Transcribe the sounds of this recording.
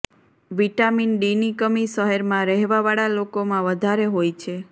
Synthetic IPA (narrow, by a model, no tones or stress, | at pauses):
ʋiʈaminɖinikəmiʃəɦɛɾmãɾɛɦʋaʋaɭalokomãʋəd̪ʱaɾeɦojt͡ʃʰe